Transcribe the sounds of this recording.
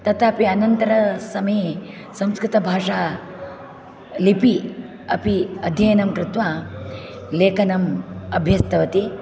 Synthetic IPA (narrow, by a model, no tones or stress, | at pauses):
t̪ɐt̪aɐpiɐnɐnt̪ɐɾɐsɐmɐje | sɐ̃mskɾɪt̪ɐbʱaːʂaː | lipi | ɐpiɐd̪ʱjɐjɐnɐmkɾɪt̪ʋaː | leːkɐnɐmɐbʱjɐst̪ɐʋɐt̪i